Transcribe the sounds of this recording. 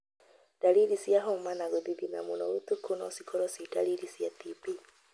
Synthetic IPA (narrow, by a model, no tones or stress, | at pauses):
d̥alilisiaɦomanaɣuðiðina̰munoutukʰonɔ̰sikʰɔɾɔsidalilisiatipi